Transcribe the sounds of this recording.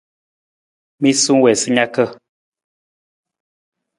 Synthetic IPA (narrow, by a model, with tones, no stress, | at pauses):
mi˦su˦ŋwɛ˨sɨ˦ɲa˦kə˦˨